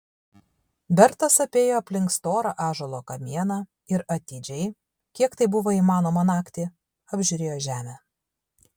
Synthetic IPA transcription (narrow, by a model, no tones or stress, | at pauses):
bʲɛɾt̪ɐsɐpʲeːjoːɐpʲlʲɪŋkst̪oːɾɐʔɑːʒɐlˠoːkɐmʲiɛnɑ | ɪɾɐt̪ʲiːd͡ʒʲɛɪ | kʲiɛkt̪ɐɪbʊʋoːimɑːnoːmɐnɑːkt̪ʲi | ɐbʲʒʲʊɾʲeːjoːʒʲæːmʲɛ